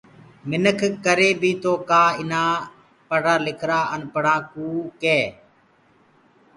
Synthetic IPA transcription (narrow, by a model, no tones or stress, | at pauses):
mɪnəkʰkəɾeːbʱiːt̪oːkaːɪnãː | pəɽãːlɪkʰɾaːʔənpəɽãːkuːkeː